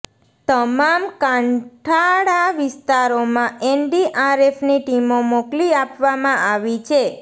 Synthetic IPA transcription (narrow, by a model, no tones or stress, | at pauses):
t̪əmamkãɳʈʰaɽaʋɪst̪aɾomãɛnɖiʔaɾefniʈimomokliapʋamãʔaʋit͡ʃʰe